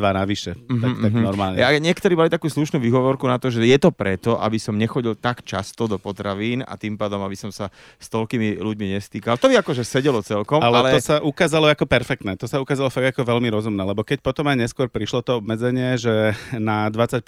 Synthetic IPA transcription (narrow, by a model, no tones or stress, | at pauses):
ʋanaʋiʃɛm̩tɦ̪ak̪aɦnɔɾmaːlɲɛaɲɪɛkt̪ɔɾiːmalit̪akuːsluʃnuːʋiɦɔʋɔɾkunat̪ɔʒɛjɛt̪ɔpɾɛt̪ɔʔa̰bisɔmɲɛxɔɟilt̪akt͡ʃa̰st̪ɔd̪ɔpɔt̪ɾaʋiːna̰t̪impaːd̪ɔmabisɔmsa | st̪ɔʎkiːmiluɟmiɲɛst̪iːkalt̪ɔbiakɔʒɛsɛɟɛlɔt͡sɛlkɔmalɛlɛɔsaʔukaːzalɔakɔpɛɾfɛk̚t̪nɛːt̪ɔsaukaːzalɔfaɡakɔʋɛʎmiɾɔzumnɛːlɛbɔkɛcpɔt̪ɔmajɲɛskʊɔɾpɾiʃlɔt̪ɔɔbmɛd͡zɛɲɪɛʒɛnad̪ʋat͡sːac̚